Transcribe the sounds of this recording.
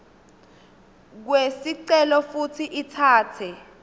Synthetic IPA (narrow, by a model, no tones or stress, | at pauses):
k̬wesiǀɛlɔfutʰiʔitʰaːtʰɛ